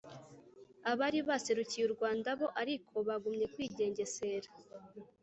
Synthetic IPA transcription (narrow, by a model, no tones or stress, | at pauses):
aβaɾiβase̞ɾucijuɾɡwaːndaβo̞ʔaɾikʰo̞βaɡumɲe̞kwiːɟe̞ːɲɟe̞se̞ːɾḁ